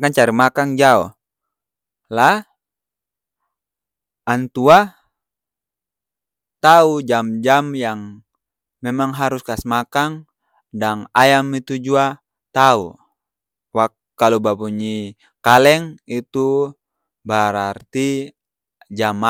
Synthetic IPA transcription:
kant͡ʃaɾimakaŋd͡ʒaɔ | lah | nt̪ua | t̪aud͡ʒamd͡ʒamjaŋ | memaŋɦaɾuskasmakaŋ | daŋajamit̪ud͡ʒua | t̪au | wak | kalubapuɲi | kalɛŋit̪u | bəɾart̪i | d͡ʒama

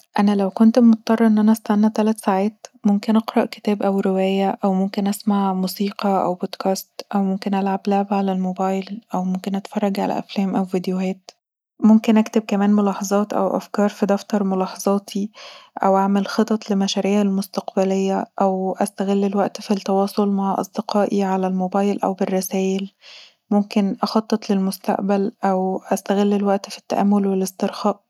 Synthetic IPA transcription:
ʔænælæwkont̪mot̪̚t̪ːˤɑrˤːɑʔenːʔænæʔst̪anːæt̪ælæt̪saʕæːt̪momkenʔɑqɾˤɑʔke̥t̪æːbʔæwɾewæːjæʔæwmomkenʔæsmaʕmuːsiːqɑʔæ̰wbod̪kæːst̪ʔæwmomkenʔælʕablaʕabʕalælmobɑːjllʔæwmomkenʔæt̪fɑrˤːɑɡʕa̰læ̰ʔæ̰flæːmʔæwvid̪johæːt̪ | momkenʔækt̪eb̚kæmæːnmolɑːħɑzˤɑːt̪ʔæ̰wʔæ̰fkɑːɾˤfid̪ɑft̪ɑɾˤmolɑːħɑzˤɑːt̪ʰiʔæ̰wʔaʕmelxet̪ˤɑt̪ˤlemæʃæɾiːʕælmost̪ɑqbælejːæʔæwʔæst̪æɣelːelwæʔt̪fit̪ːɑwɑːsˤolmaʕʔɑ̰sˤd̪eqɑːʔiʕalælmobɑːjlʔæ̰wberˤːɑsæːʔel | momkenʔɑxɑt̪ˤːet̪lelmost̪a̰ʔbælʔæwʔæst̪æɣelːelwæʔt̪fi̥t̪ːæ̰ʔæmːolwelest̪eɾxɑːʔ

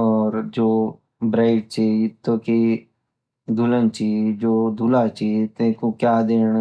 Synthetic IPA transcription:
ɔːɾd͡ʒoː | bɾaːɪʈ̚t͡ʃʰit̪oki | d̪ʱulənt͡ʃiːd͡ʒoːd̪ʱulat͡ʃiːt̪ẽkokjaːd̪eːɽ

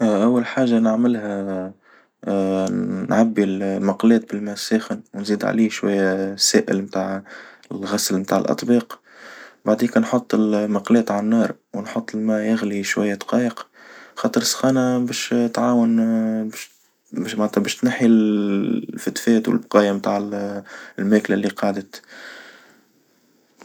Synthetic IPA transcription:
ʔæwːalħaːʒanəʕmɪlhæ | nʕabːilmɑqlɛːt̪̚bɪlmæsæːxənwnziːd̪ʕa̰liːʃwæ̰jːæsæ̰ːʔɪ̰lmt̪aːʕɪlɣæslmt̪aːʕɪlʔɑ̰t̪ˤbiːq | baʕd̪iːkænħot̪ˤːɪlmɑqlɛːt̪ʕanːɑːɾˤwnħot̪ˤːɪlmæjɪɣliʃwæjːæt̪qɑːjəq | xɑːt̪ˤəɾsxɑːnabɛːʃt̪ʕaːwən | maʕnt̪ːæbɛːʃt̪naħi | fæt̪fɛːt̪wɪ̰lbqɑːjamt̪aːʕ | lmæːklælːiqɑːʕd̪ət̪

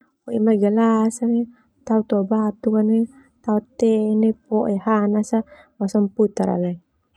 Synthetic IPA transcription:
kɔʔimaɡalasane | t̪aut̪ɔbap̚t̪ukane | t̪aut̪ɛnepɔʔehanasa | wasɔmput̪aɾa̰le

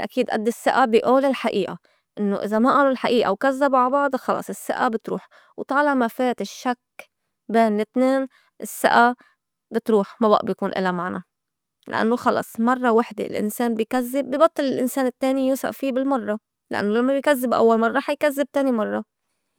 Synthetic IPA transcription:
ʔa̰kiːd̪ʔa̰d̪ːɪsːaʔabɪʔuːlɪlħaʔiːʔa | ʔɪnːo̰ʔɪzamaʔaːlʊlħaʔiːʔa̰wkazːabʕabɑʕd̪ˤxɑlɑ̰sˤɪsːa̰ʔabɪt̪ɾuːħ | wt̪ˤɑːlɑʕmafeːt̪ɪʃːak | beːnlɪt̪neːn | ʔɪsːa̰ʔa | bɪt̪ɾuːħmaba̰ʔbjkuːnʔɪ̰lːamaʕna | la̰ʔa̰nːoxɑlɑ̰sˤmɑrˤːɑwaħd̪ḛlʔɪ̰nseːnbɪjkazːɪbːibɑt̪ˤːɨlɪlʔɪnseːnɪt̪ːeːnijuːsa̰ʔfiːbɪlmɑrˤːɑ | lʔa̰nːolamːabɪjkazːɪbʔa̰wːalmɑrˤːɑħjkazːɪb̚t̪eːnimɑrˤːɑ

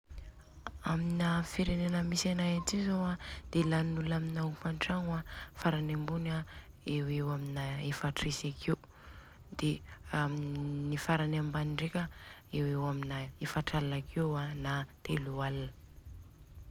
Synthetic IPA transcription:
aminafiɾenenəmisanajatizowad̪̥elanulaminaufaɳʈ͡ʂaŋafaɾanembuna | ewewaminaefaʈ͡ʂesakʰew | d̪̥eamnifaɾanambaniɳɖ͡ʐekʲa | ewewaminaefaʈ͡ʂalanakʰewanat̪elualanə̥

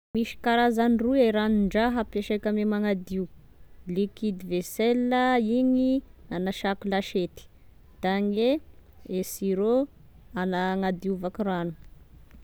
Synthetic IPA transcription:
miʃi̥kaɾazanrueɾaniɳɖ͡ʐaɦəpjaʃekamemaŋad̪iu | likid̪iveselːaiɲianaʃakulaʃet̪i̥ | d̪̥aŋe | esiɾo | anaŋad̪iuvakiɾanu̥

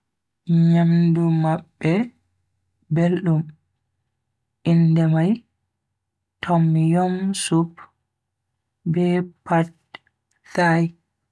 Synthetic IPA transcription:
ɲamdumaɓːɛ | belɗum | ʔindɛmaj | tʰɔmːjɔmsup | bɛpat̚ | saj

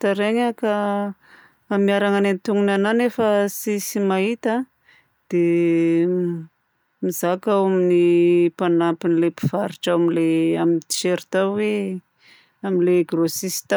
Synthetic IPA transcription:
t̪aɾeɲaka | amiaɾaŋanent̪uŋunananefəsisimaɦit̪a | d̪̥e | mizakawaminipanapinlepi̥v̥aɾiʈ͡ʂawamileamint̪i̥ʃeɾit̪awwe | aminleɡrosisi̥t̪a

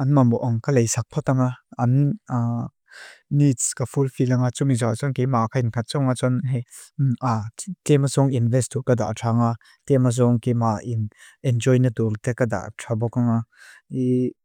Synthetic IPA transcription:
ɐnmamɔʔaŋkalejsak̚pʰɔt̪aŋaɐn | itskafulfilaŋat͡sumizɔat͡sɔnkejmakʰainkʰat̪̚t͡sɔŋat͡sɔnɦɛat̪ɛmazɔŋinvɛst̪ukad̪a̰ʔtʰaŋa | t̪ɛmaz̬ɔŋkemaʔin | ɛnd͡ʒɔjnɐt̪ɔɾt̪ɛkad̪a̰ʔtʰabɔkaŋai

